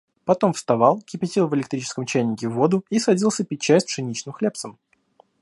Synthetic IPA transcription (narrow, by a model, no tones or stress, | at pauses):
pɐt̪o̞mfst̪ɐvɑlˠkʲɪpʲɪtʲilˠvəlʲɪk̚t̪ɾʲit͡ɕɪ̥skəmt͡ɕæjnʲɪkʲɪvːo̞d̪ʊisɐdʲilˠsʲəpʲɪt͡ɕːæsʲtʲpʂɨnʲit͡ɕnɨmxlʲep̪səm